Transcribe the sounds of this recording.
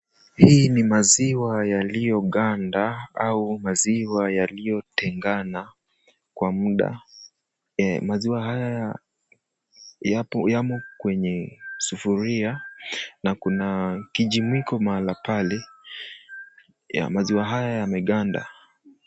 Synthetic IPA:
hiːnimaziwajalijɔɠandaaumaziwajalijɔtɛŋɡana | kwamuɗa̰ | maziwaɦajaja | japɔjamɔkwɛɲɛsufuɾianakunakiʄimwikɔmalapalɛ | ja̰maziwaɦajajamɛɠanda̰

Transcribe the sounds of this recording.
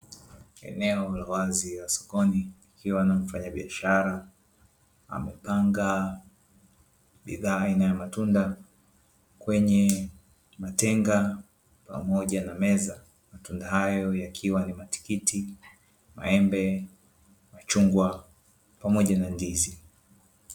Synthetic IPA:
ɛ̰nɛɔwalawaziasɔ̥kɔniikʰiwanam̩faɲaɓiaʃaɾa | a̰mɛpaŋɡa | ɓḭðaːainajamatunda | kwɛɲɛ | matɛŋɡa | pa̰mɔʄanamɛza | matundaɦajɔjakʰiwanimati̥kiti | ma̰ɛmbɛ | mat͡ʃuŋɡwa | pamɔʄanandizi

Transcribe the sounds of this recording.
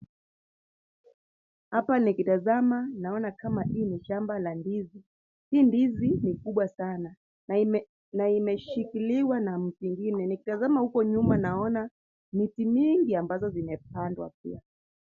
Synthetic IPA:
hapanikitazamanaɔnakamahiːniʃambalandizi | hiːndizinikuɓwasana | naimɛʃikiliwanam̩tuiŋɡinɛnikitazamahukɔɲumanaɔna | mitimiŋɡiambazɔzimɛp̚andwa̰p̚ḭa

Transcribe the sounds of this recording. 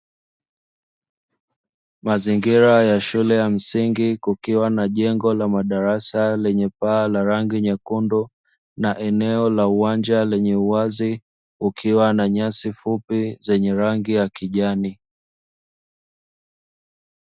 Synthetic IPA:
maziŋɡiɾajaʃulɛjam̩siŋɡikukiwanaʄɛŋɡɔlamaɗaɾasalɛɲɛpaːlaɾaŋɡiɲakundɔ | naʔɛnɛɔlauwand͡ʒalɛɲɛuazi | ukʰiwanaɲasifupizɛɲɛɾaŋɡijakiʄani

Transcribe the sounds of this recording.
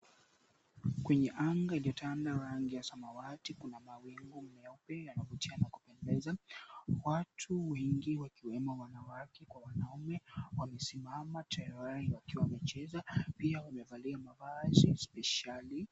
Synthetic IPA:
kwɛɲɛʔaŋɡailiɔtandaɾaŋɡijasamawatikunamawiŋɡum̩mɛaupɛjanavutianakupɛndɛzawatʰuwɛŋɡiwakiwɛmɔwanawakɛkwawanaumɛwamɛsimamatʰaɾahiwakiwawamɛt͡ʃɛzapiawamɛvaliamavazispɛʃali

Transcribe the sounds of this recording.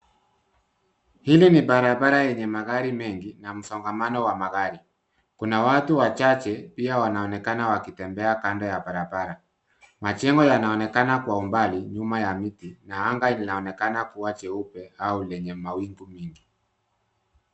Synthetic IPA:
hilinibaɾabaɾajɛɲɛmaɣaɾimɛŋɡinam̩sɔŋɡamanɔwamaɣaɾi | kunawatuwat͡ʃat͡ʃɛpiawanaɔnɛkanawakitɛmbɛakandɔjabaɾabaɾa | mat͡ʃɛŋɡɔjanaɔnɛkanakwaumbaliɲumajamitinaaŋɡailinaɔnɛkanakuwat͡ʃɛupɛaulɛɲɛmawiŋɡumiŋɡi

